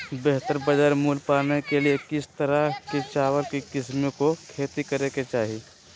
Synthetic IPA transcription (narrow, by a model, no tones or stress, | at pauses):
beɦt̪əɾbəd͡ʒəɾmuːlpaːnekeliekɪst̪ɐɾaket͡ʃaːwəlkikɪsmĩkokʰeːt̪ikɐɾeket͡ʃaːɦi